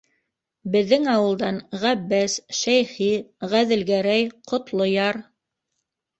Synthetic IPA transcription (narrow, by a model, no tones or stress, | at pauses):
bɘ̆ðːɘŋɑwɤ̆lˠd̪ɑnʁæbːæsʃæjχiʁæðɘ̆lɡæɾæjqŏt̪lˠojɑɾ